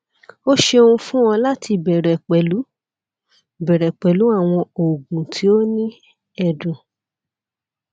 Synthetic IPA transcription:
o˦ʃe˧o˧ũ˧fũ˦w̃ɔ̃˧la˦tʰi˧bɛ˨ɾɛ˨k͡pɛ˨lu˨˦ | bɛ˨ɾɛ˨k͡pɛ˨lu˨˦a˦˨w̃ɔ̃˧o˨ɡũ˨tʰi˨˦o˦nĩ˦ | ɛ˦˧dũ˨

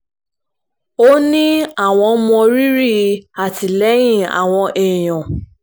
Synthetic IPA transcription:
o˦nĩ˦a˨w̃ɔ̃˧˦mɔ̃˧ɾi˦ɾi˦˨˧a˨ti˨lɛ˨˦jĩ˦˨a̰˨w̃ɔ̃˧ʔe˨j̃ɔ̃˨

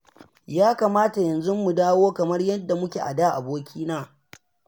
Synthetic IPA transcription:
jaː˦kaː˨maː˦ta˨jɐ˨nzʊ˦mːu˨daː˦woː˦kɐ˨mɐ˦rjɐ˦dːa˨mʊ˦kʲe˨ʔa̰˨daː˦ʔa˨boː˦kʲiː˦naː˦

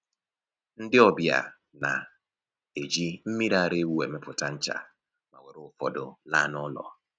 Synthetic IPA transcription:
n̩˦dɪ˦ɔ˦bja̰˨ | na̰˨ | e˨d͡ʒi˦m̩˦mi˦ɾa˦˨ɾe˦wu˦e˨me˦pʊ˨ta˦n̩˦t͡ʃa̰˨ | ma̰˨we˨ɾʊ˦fɔ˨dʊ̰˨la̰˦˨nɔ˦lɔ̰˨

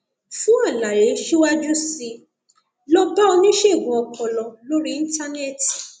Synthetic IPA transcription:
fũ˦a˦˨la˨ɾe˨˦ʃi˦wa˦d͡ʒu˦si˧ | lɔ˧ba˦o˧nĩ˦ʃe˦˨ɡũ˨ɔ˧kɔ˨lɔ˨lo˦ɾi˦ĩ˦ta˦ne˦˨t

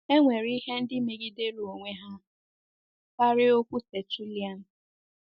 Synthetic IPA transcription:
e˦ŋʷe˨ɾi˦he˦n̩˦dɪ˦me˨ɡi˦de˦ɾo˨ŋʷe˦ɦa˦ | ka˦ɾɪ˦o˦kʷu˦te˨t͡ʃu˦li˨a˦˨n̩˨

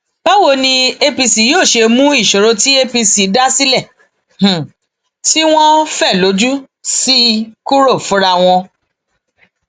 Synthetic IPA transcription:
pa˦wo˨˧nĩ˧e˧pi˧si˨joː˦˨ʃe˧mũ˦i˦˨ʃo˨ɾo˧ti˦e˦pi˧si˨˦da˦si˦lɛ˦˨ | h̩˨ | ti˦w̃ɔ̃˦fɛ˦˨lo˨˦d͡ʒu˦ | si˦ku˦ɾo˦˨fũ˨˦ɾa˧w̃ɔ̃˧

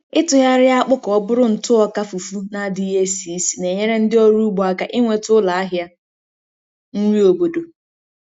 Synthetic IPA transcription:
ɪ˦tʊ˨ja˦ɾɪ˦a˦k͡pʊ˦kɔ˦bʊ˦ɾʊ˦n̩˨tʊ˦ɔ˦ka˦fu˨fu˦na˨˦dɪ˦ɦe˦si˨˦si̥˨ne˨ɲe˦ɾe˦n̩˦dɪ˦ɔ˦ɾu˦ɡ͡bɔ˨a˨ka˨ʔɪ˦ŋʷe˨tʊ˦la˨a˦ɦja˦ | n̩˦ŋʷi˦o˨bo˨do˨

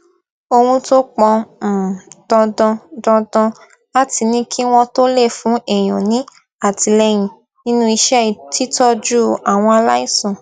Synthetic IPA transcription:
o˧hũ˧to˦k͡pɔ̃˧˨ | d̥ɔ̃˧dɔ̃˧dɔ̃˧dɔ̃˧ | a˦˨ti˧nĩ˦kʰi˦w̃ɔ̃˧to˦le˦˨fũ˨˦ɛ˨j̃ɔ̃˨nĩ˨˦ | a˦˨ti˧lɛ˧j̃ĩ˨ | nĩ˦nũ˦i˧ʃɛ˦i˨ti˦tɔ˦d͡ʒu˦˨a˨w̃ɔ̃˧a˧la˦i˦˨sɔ̃˨

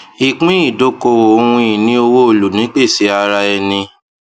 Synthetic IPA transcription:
i˨k͡pĩ˦i˦˨do˨˦ko˧wo˨o˧hũ˧ĩ˨nĩ˦o˧wo˦o˦˨lu˨nĩ˨˦k͡pe˦˨si˨˦a˧ɾa˧ɛ˧nĩ˧

